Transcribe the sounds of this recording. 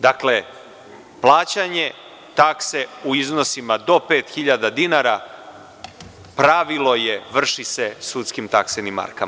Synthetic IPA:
d̪akle̞ | plˠaːt͡ɕaɲe | t̪akseuiznosimad̪o̞pe̞ːt̪xiʎad̪ad̪inaɾa | pɾaʋilo̞jeʋr̩ʃisesut̪skimt̪aksenimːa̰ɾka̰m

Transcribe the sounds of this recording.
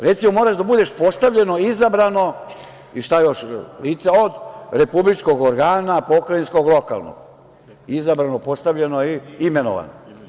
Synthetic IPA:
ɾet̪simo̞mo̞ːɾaʒd̪abud̪e̞ʃpo̞st̪aʋʎe̞no̞izabɾano̞ | iʃt̪ajoʃliːt̪saod̪ɾe̞publit͡ʃko̞ɡoɾɡaːnapo̞kɾainsko̞ɡlˠoka̰lˠno̰ɡ | izabɾanopo̞st̪aʋʎenoiime̞no̰ʋa̰no

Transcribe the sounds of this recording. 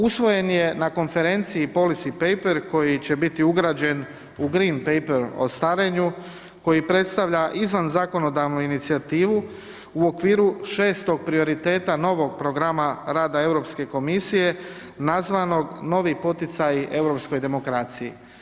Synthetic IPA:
usʋo̞je̞nje̞nako̞nfe̞ɾe̞nt̪siipo̞lisipejpeɾko̞jit͡ɕe̞bit̪iuɡɾad͡ʑe̞n | uɡɾinpejpeɾo̞̰st̪aɾeɲu | ko̞jipɾe̞t̪st̪aʋʎaʔizʋanzaːko̞no̞d̪aʋnuinit̪siat̪iːʋu | uo̞kʋiːɾuʃe̞ːst̪o̞ɡ̚pɾio̞ɾit̪e̞ːt̪ano̞ʋo̞ɡ̚pɾo̞ɡɾamaɾaːd̪ae̞vwɾo̞pske̞ko̞misije̞ | nazʋano̞ɡno̞ʋipo̞t̪it̪sajiʔe̞ʋɾo̞psko̞jd̪e̞mo̞kɾaːt̪siji

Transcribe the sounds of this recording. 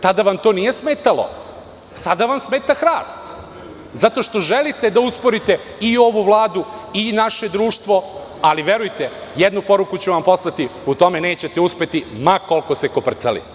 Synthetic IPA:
sad̪aʋamt̪o̞ːnije̞smeːt̪alo̞̰ | sad̪aʋamsmeːt̪axɾaːst̪ | zat̪o̞ʃt̪o̞ʒelit̪e̞d̪auspo̞ɾit̪e̞ | io̞ʋuʋlˠaːd̪uinaʃe̞d̪ɾuːʃt̪ʋo̞ | aliʋje̞ɾujt̪ejed̪nupo̞ɾukut͡ɕuʋampo̞slˠat̪iut̪o̞mene̞ːt͡ɕe̞t̪euspe̞t̪imako̞lˠko̞seko̞pr̩t̪salḭ

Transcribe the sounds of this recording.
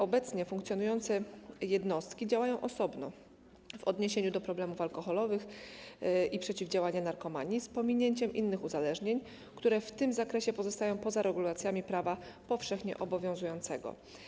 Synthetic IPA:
ɔbɛt̪sɲɛfuŋkt̪sʲjɔnujɔnt̪sɛjɛd̪nɔst̪kʲid͡ʑawajɔ̃w̃ʔɔsɔbnɔ̰ | vɔd̪ɲeɕeɲud̪ɔpɾɔblɛmufalkɔxɔlɔvɘx | ipʂɛt͡ɕivd͡ʑawaɲanaɾkɔmaɲispɔmʲiɲeɲt͡ɕɛmʔḭnːɘxuzalɛʐɲeɲ | kt̪uɾɛft̪ɘmzakɾɛɕɛpɔzɔst̪ajɔ̃w̃pɔzaɾɛɡulat̪sʲjamʲipɾavapɔfʂɛxɲɛ̰ʔɔbɔvʲjɔ̃w̃zujɔnt̪sɛɡɔ̰

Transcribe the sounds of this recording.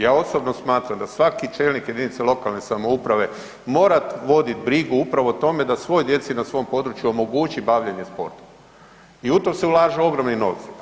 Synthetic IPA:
jaːo̞sobnosmaːt̪ɾamd̪asʋakit͡ʃeːlnikjed̪init̪selˠo̞kalne̞samoupɾaʋe̞ | mo̞ːɾat̪ʋo̞d̪it̪bɾiɡuupɾaʋo̞t̪o̞me̞d̪asʋo̞ːjd̪je̞t̪sinasʋo̞jmpo̞d̪ɾut͡ʃjuomo̞ɡut͡ʃibaʋʎeɲe̞spo̞̰ɾt̪o̥ | iut̪omse̞ulˠaːʒeo̞ɡɾo̞mnino̞̰ʋt̪si

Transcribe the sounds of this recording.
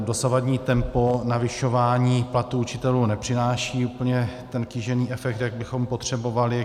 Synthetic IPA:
do̞savadɲiːt̪ɛmponavɪʃo̞vaːɲiːplat̪uut͡ʃɪt̪ɛluːnɛpr̝̥ɪnaːʃiːuːpl̩ɲɛt̪ɛnkɪʒɛniːʔɛfɛk̚t̪jaɡ̚bɪxo̞mpo̞t̪r̝̥ɛbo̞valɪ

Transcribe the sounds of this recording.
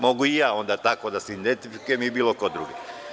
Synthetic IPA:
mo̞ɡuijaːo̞nd̪at̪ako̞d̪aseind̪ent̪ifikujemibiːlˠo̞kod̪ɾṵɡe

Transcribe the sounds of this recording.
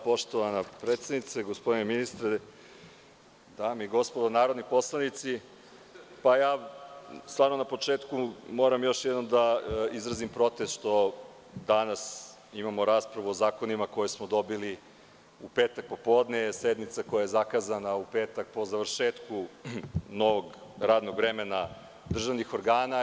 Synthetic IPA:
po̞ʃt̪oʋanapɾeːt̪sed̪nit̪seɡospod̪ineminist̪ɾe | d̪amiɡo̞spod̪onaːɾo̞d̪nipo̞slˠanit̪si | pajaː | st̪vaːɾnonapo̞t͡ʃeːt̪kumo̞ɾamjo̞ʃjɛd̪o̞md̪aizɾazimpɾo̞t̪est̪ʃt̪o̞ | d̪anas | imamoɾaːspɾaʋuozaːko̞nimako̞jesmod̪o̞bili | upeːt̪ak̚po̞po̞ːd̪nesed̪nit̪sako̞jajezakaːzanaupeːt̪ak̚po̞zaʋr̩ʃeːt̪ku | no̞ʋoɡɾaːd̪no̞ɡʋɾemena | d̪r̩ʒaʋnixoɾɡaːna

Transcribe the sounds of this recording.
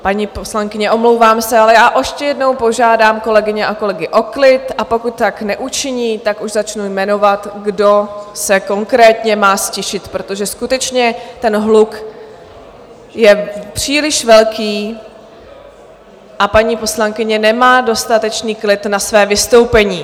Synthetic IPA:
paɲiːposlaŋkɪɲɛʔo̞mlo̞wvaːmsɛalɛjaːʔɛʃcɛjɛdno̞wpo̞ʒaːdaːmko̞lɛɡɪɲɛʔako̞lɛɡɪʔo̞klɪt̪ʔapo̞kut̪ːaknɛʔut͡ʃɪɲiːt̪akuʒzat͡ʃnujmɛno̞vat̪ɡdo̞sɛko̞ŋkɾɛːt̪ɲɛmaːscɛʃɪt̪pɾo̞t̪o̞ʒɛskut̪ɛt͡ʃɲɛt̪ɛnɦluk | jɛpr̝̥iːlɪʃvɛlkiː | ʔapaɲiːpo̞slaŋkɪɲɛnɛmaːdo̞st̪at̪ɛt͡ʃniːklɪt̪nasvɛːvɪst̪o̞wpɛɲiː

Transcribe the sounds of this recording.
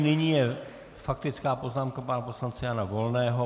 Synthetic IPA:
nɪɲiːjɛ | fak̚t̪ɪt͡skaːpo̞znaːmkapanaposlant͡sɛjanavo̞lnɛːɦo

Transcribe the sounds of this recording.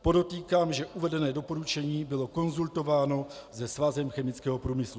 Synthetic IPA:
po̞do̞t̪iːkaːmʒɛʔuvɛdɛnɛːdo̞po̞ɾut͡ʃɛɲiːbɪlo̞ko̞nzult̪o̞vaːno̞zɛsvazɛmxɛmɪt͡skɛːɦopɾuːmɪslu

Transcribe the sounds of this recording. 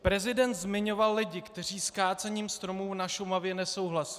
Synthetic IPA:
pɾɛzɪdɛnt̪zmɪɲo̞valːɪɟɪkt̪ɛriːskaːt͡sɛɲiːmst̪ɾo̞muːnaʃomavjɛnɛso̞wɦlasɪ̥

